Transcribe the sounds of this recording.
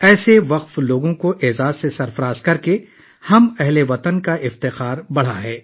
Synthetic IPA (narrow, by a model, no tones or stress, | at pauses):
ɛːseʋɐqfloːɡõkoʔeːzaːzsesɐɾfɐɾaːzkɐɾke | hɐmɛɦleʋɐt̪ənkaɪft̪ɪxaːɾbɐɽ̤aɦɛː